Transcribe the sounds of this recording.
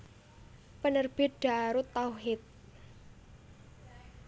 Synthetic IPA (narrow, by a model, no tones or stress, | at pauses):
pənərb̥ɪ̤t̪̚ɖ̪̥a̤aɾut̪ːauɦɪt̪̚